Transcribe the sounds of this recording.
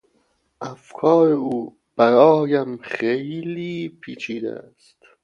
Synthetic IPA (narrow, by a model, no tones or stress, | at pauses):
ʔæfkʰɒːɾeuː | b̥æɾɒːjæmχejliːpʰiːt͡ʃʰiːd̪æ̰æ̰st̪